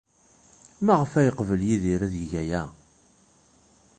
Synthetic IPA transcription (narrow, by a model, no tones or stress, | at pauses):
maʁəfæjəqvəljiðiɾæðjʝæjæ